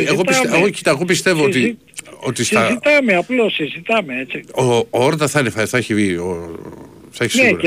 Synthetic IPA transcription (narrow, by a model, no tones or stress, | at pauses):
eɣoseɣocit̪ɐeɣo̞pist̪e̞voot̪i | o̞t̪isɐzit̪ɐmeɐplosizit̪ɐmeet͡siooɾt̪ɐθɐinefɐθɐeçivio | θɐeçisne